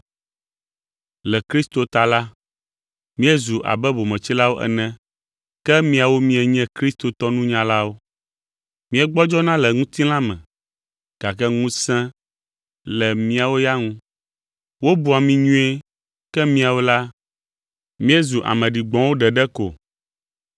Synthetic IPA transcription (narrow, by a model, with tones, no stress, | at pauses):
lɛ˨kɾi˦st̪o˨t̪a˨la˦ | mĩ˦ɛ˦zu˨ʔa̰˨bɛ˦bo˨mɛ̃˨t͡ɕi˦la˦wo˦ʔɛ̰˨nɛ̃˦ | kɛ˦mĩ˦a˨wo˦mĩ˦ɛ˨ɲɛ̃˦kɾi˦st̪o˨t̪ɔ˦nũ˦ɲã˦la˦wo˦ | mĩ˦ɛ˦ɡ͡bɔ˦d͡ʒɔ˦nã˦lɛ˨ŋũ˦t̪i˦lã˦mɛ̰̃˨ | ɡ̥a˨kɛ˦ŋũ˦sɛ̃˦ | lɛ˨mĩ˦a˨wo˦ja˦ŋũ˦ | wo˦bu˦a˨mĩ˦ɲũ˦e˦ | kɛ˦mĩ˦a˨wo˦la˦ | mĩ˦ɛ˦zu˨ʔa̰˨mɛ̃˨ɖi˨ɡ͡bɔ̃˨wo˦ɖɛ˨ɖɛ˦ko˨